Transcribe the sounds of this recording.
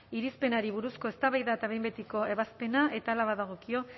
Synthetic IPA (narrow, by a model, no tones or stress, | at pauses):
iɾispe̞naɾiβ̞uɾusko̞e̞st̪aβajðaet̪aβe̞jmbe̞t̪iko̞e̞βaspe̞nae̞t̪aːlaβaðaɣ̞o̞kio̞